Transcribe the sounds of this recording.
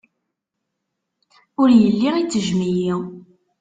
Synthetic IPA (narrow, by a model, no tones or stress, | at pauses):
ʊɾjəlːiʁit͡sːəʒmiji